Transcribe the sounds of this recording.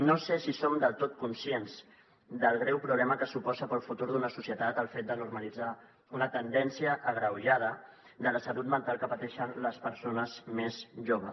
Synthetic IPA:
nosesisomd̪əlˠt̪ot̪̚kunsienz | d̪əlˠɣɾɛwpɾuβlɛməkəsupɔzəpəlˠfut̪uɾðunəsusjət̪at̪əlˠfet̪̚d̪ənurməlid͡za | unət̪ənd̪ɛnsiəʔːɣɾəwʒað̞ə | d̪ələsəlut̪mənt̪alˠkəpət̪ɛʃənləspəɾsonəzmezʒoβ̞ə̰s

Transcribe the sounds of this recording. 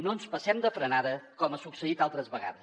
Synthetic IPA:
nonspəsɛmd̪əfɾənaðəkɔməsuksəit̪alˠt̪ɾəzβəɣa̰ðəs

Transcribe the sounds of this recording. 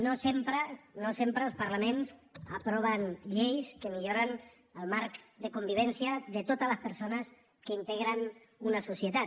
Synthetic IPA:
nosempɾənosempɾəlˠspaɾlamẽnsapɾɔβ̞anʎejskemiʎoɾan | əlˠmaɾkd̪əkombiβɛnsjaðet̪ot̪aləspəɾsonəs | kəint̪eɣɾan | unasusjet̪at

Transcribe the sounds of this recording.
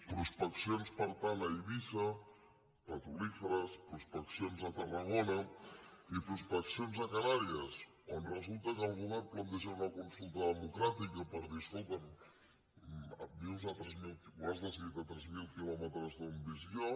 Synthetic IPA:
pɾuspəksjonspaɾt̪anaiβisa | pat̪ulifəɾaspɾuspəksjonzat̪ɐraɣona | ipɾuspəksjonzakanaɾias | onrəzulˠt̪akalˠɣuβɛɾplant̪eʒanakunsulˠt̪ɐðəmukɾat̪ikapəɾðisult̪an | miwzat̪ɾezmilkiuazðazβit̪at̪ɾɛzmilkilomət̪ɾazðumbizio

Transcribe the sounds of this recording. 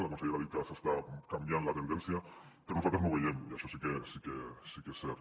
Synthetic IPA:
lekonsaeɾaðit̪asest̪akamjanlat̪e̞nd̪enθjapeɾofat̪amoβeʝenujesosikesikesikeseɾ

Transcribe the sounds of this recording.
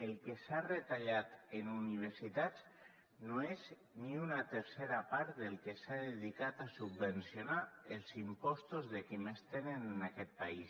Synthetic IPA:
elˠkesaret̪aʎat̪enuniβ̞eɾsit̪at͡s | noez | niunat̪eɾseɾapaɾt̪d̪elˠkesaðeðikat̪asubbensjonaelˠzimpɔst̪uzðekimest̪enennakɛt̪̚pais

